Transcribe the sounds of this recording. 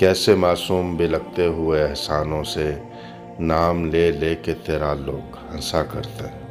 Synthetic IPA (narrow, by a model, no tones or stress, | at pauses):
kɛːsemaːsuːmbʱilɐɡ̚t̪eɦʊeɛɦsaːnõse | naːmleleːket̪eːɾaloːɡ | hɐ̃sakɐ̰ɾt̪e